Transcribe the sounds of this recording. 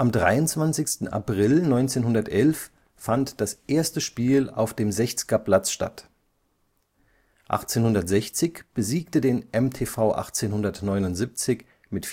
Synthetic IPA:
ʔamdʁa̰ɪʊntt͡sv̥ant͡sɪçstn̩ʔa̰pʁ̥ɪlnɔʏnt͡seːnhʊndɐtʔɛlfː | antd̥asʔeːɐstəʃpiːla̰ʊfd̥eːmzɛçt͡skaplat͡sʃta̰t | ʔa̰χt͡seːnhʊndɐtz̥ɛçt͡sɪçb̥əziːk̚tədeːnʔɛmtʰeːfaʊʔa̰χt͡seːnhʊndɐtnɔʏnʊntz̥ip̚t͡sɪç | mɪtf

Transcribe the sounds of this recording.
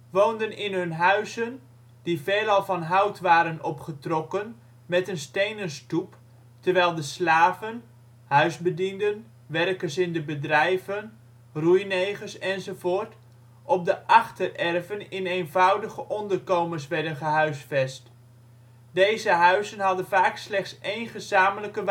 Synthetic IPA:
ʋowndənɪnɦɵnɦœɥzən | diveːlˠɑlˠvɑnɦɑwtʋaːɾənɔpχətrɔkən | mɛtənstejnənstup | təɹʋɛjlˠdəslaːvən | hœɥzbədindən | ʋɛrkəɹsɪndəbədrɛjvən | rujnejχəɹsɛnzovoːɹt | ʔɔp̚dəʔɑχtərɛrvənɪnejnvɑwdəχəʔɔndərkowməɹs̬ʋɛɹdənχəɦœɥsfɛst | d̥ejzəɦœɥzənɦɑdənvaːkslɛχtsejnχəzaːmələkəʋ

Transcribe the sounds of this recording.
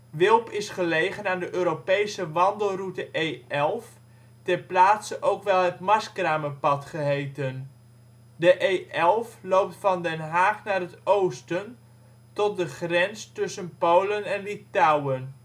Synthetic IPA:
ʋɪlˠpɪsχəlejχənaːndəʔøːɾopejsəʋɑndəlˠrutəʔejɛlˠf | tɛɹplaːtsəʔowkʋɛlˠɦətmɑskraːməpɑtχəɦejtən | dəʔejɛlˠflowp̚tfɑndɛnɦaːχnaːrɦətowstən | tɔt̚dəχrɛnstʏsənpowlənɛnlitawən

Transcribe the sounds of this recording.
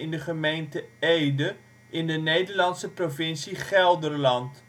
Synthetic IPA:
ɪndəχəmejntəejdə | ʔɪndənejdərlɑnsəprofɪnsiχɛlˠdərlɐnt

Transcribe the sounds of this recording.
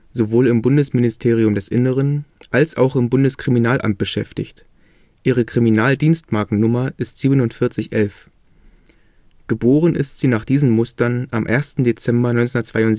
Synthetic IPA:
z̥ovoːlɪmbʊndəsmɪnɪstʰeːʁ̞iʊmdɛsʔɪnəʁ̞ənʔalsʔaʊxɪmbʊndəskʁ̥iminaːlʔa̰mt̚b̥əʃɛftɪ̰çt | ʔiːʁ̞əkʁ̥iminaːldiːnstmaɐkŋ̩nʊmɐʔɪstz̥iːbənʊntfɪɐt͡sɪçʔɛlf | ɡ̥əboːʁ̞ənʔɪ̰stz̥iːnaːχd̥iːzn̩mʊstɐnʔamʔeːɐstn̩det͡sɛmbɐnɔʏnt͡seʊndɐt͡sv̥aɪʊn

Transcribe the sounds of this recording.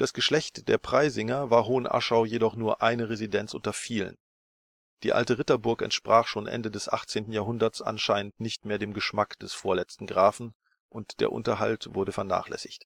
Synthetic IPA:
d̥asɡ̥əʃlɛçtd̥eːɐpʁ̥aɪzɪŋɐvaːɐɦoːənʔa̰ʃaʊjedɔχnuːɐʔaɪnəʁezidɛnt͡sʔʊ̰ntɐfiːlə̰n | d̥iːʔa̰ltəʁɪtɐbʊɐkɛ̰ntʃpʁ̥aːχʃoːnʔɛ̰ndədɛsʔa̰χt͡seːntn̩jaːɦʊndɐtsʔa̰nʃaɪnəntnɪçtmeːɐdeːmɡəʃmakd̥ɛsfoːɐlɛt͡stn̩ɡʁaːfn̩ | ʔʊntd̥ḛːɐʔʊ̰ntɐɦa̰ltv̥ʊɐɾəfɛɐna̰ːχlɛ̰sɪçt

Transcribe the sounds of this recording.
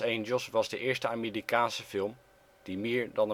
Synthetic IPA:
ejnd͡ʒəlˠsʋɑzdəʔɪːɹstəaːmiːrikaːnsəfɪlˠm | d̥imɪːɹdɑnə

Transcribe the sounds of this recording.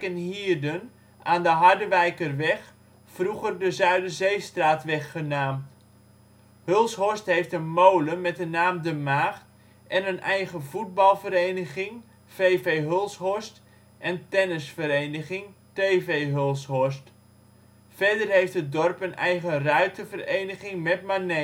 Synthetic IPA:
ənhiːrdən | ʔaːndəɦardəʋɛjkərʋɛχ | fruɣərdəzœɥdəzejstraːtʋɛχːənaːm | hølˠshɔstɦhejftənmowləmɛtənːaːmdəmaːχt | ʔɛnənʔɛjɣəvud̚bɑlˠvəɾejnəχɪŋ | fejvejɦølˠsɦɔst | ʔɛntɛnəsfəɾejnəχɪŋteːvejɦølˠsɦɔst | fɛdərɦejftət̚dɔrpənɛjɣərœɥtəvərejnəχɪŋmɛtmane

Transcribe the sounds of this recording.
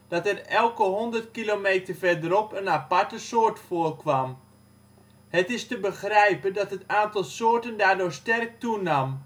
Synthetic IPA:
d̥ɑtɛrɛlˠkəɦɔndərt̚kilomejtərfɛrdəɾɔpənapatəsoːrtfoːrkʋam | hətɪstəbəxrɛjpəndɑtɦətaːntɑlˠsoːrtəndaːrdʊːɹstɛrk̚tunam

